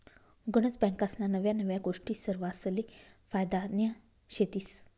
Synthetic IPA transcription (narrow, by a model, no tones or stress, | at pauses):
ɡuɽ̃ət͡sbɛ̃ŋkasnanəʋjanəʋjaɡoʂʈiːsəɾʋaslifajd̪anjə | ɕet̪iːs